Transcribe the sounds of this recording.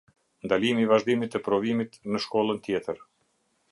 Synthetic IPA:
nd̪alimivaʒd̪imit̪ɛpɾɔvimit̪nəʃkɔlˠənt̪jɛt̪əɾ

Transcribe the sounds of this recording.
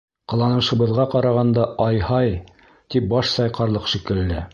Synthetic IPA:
qɤ̆lˠɑnɤ̆ʃɤ̆βɤ̆ðʁɑqɑɾɑʁɑnd̪ɑʔɑjhɑj | t̪ip̚bɑʃsɑjqɑɾlˠɤqʃikɘ̆lːæ̰

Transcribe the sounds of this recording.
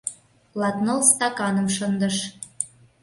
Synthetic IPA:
lɑt̪nɤ̆lst̪ɑkɑnə̆mʃənd̪ə̆ʃ

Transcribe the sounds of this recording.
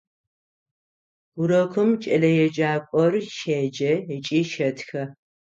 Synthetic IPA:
ʊɾɐkʷʰʊmt͡ʃʼɐlɐjɛd͡ʒaːkʷʼɔrʃeːd͡ʒɐjɛt͡ʃʼiːʃɐtʰxɐ

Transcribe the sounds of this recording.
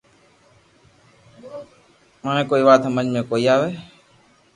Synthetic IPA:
manẽːkoːiːʋaːt̪mə̃ɲmẽkoːiaːʋeː

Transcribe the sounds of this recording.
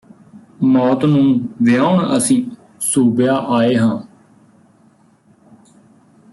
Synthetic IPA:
mɔːt̪nũːʋɪjaːʊɳə̰sĩː | suːpjaːʔaːeːɦãː

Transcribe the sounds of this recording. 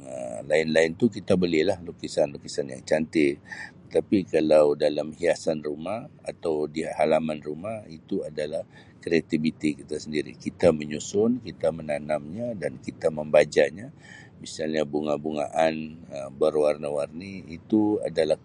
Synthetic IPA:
əlaɪnlaɪnt̪ukit̪abəlilahlukisanlukisanja̰ŋt͡ʃant̪ɪtt̪ə̥t̪apikalawdalamhiasanrumaha̰t̪awdiaʔhalamanrumahit̪uadalah | kɾiat̪ibit̪ikit̪asəndiɾḭkit̪aməɲusʊnkit̪amənanamɲadankit̪aməmbad͡ʒaɲa | misalɲabuŋabuŋa̰ʔanəbəɾwarnawarniit̪ua̰dalah

